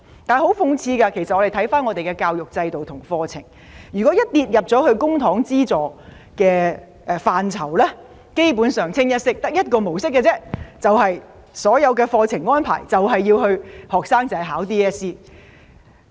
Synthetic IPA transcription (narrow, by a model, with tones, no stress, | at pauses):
t̪aː˨ho˨˥wfʊ˧ŋt͡sʰiː˧kɐ˧kʰe˨˩sɐt̚ɔː˨˧e˨jt̪ʰɐ˨˥jfaː˥nŋɔː˨˧t̪e˨jkɛ˧kaː˧wjʊ˨k̚t͡sɐ˧jt̪o˨wt̪ʰʊ˨˩ŋfɔː˧t͡sʰɪ̰˨˩ŋ | jyː˨˩kɔ˨˥jɐ˥t̚liː˨˧t̚jɐ˨p̚t͡sɔ˨˥hɵ˧ɥkʊ˥ŋt̪ʰɔː˨˥ŋt͡siː˥t͡sɔː˨˩ | kɛː˧ | ʔfaː˨nt͡sʰɐ˨˩wlɛː˥ | ke˥jpuː˨˥nsœː˨ŋt͡sʰɪ˥ŋjɐ˥t̚sɪ˥k̚t̪ɐ˥k̚jɐ˥t̚kɔː˧mo˨˩wsɪ˥k̬̚ːɛ˧t͡sɛː˥t͡sɐ˨wɦɐ˨j | sɔː˨˥jɐ˨˧wkɛː˧fɔː˧t͡sʰɪ˨˩ŋŋɔː˥npʰa̰ː˨˩jt͡sɐ˨wɦɐ˨jːiː˧whɵ˧ɥhɔː˨k̚saː˥ŋt͡sɐ˨˥ɦaː˨˥wt̪iː˥ɛː˥siː˥